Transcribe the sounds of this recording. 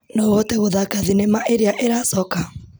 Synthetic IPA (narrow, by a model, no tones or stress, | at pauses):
nɔwɔtɛɣoðakaðinemaʔeɾeaʔeɾasɔka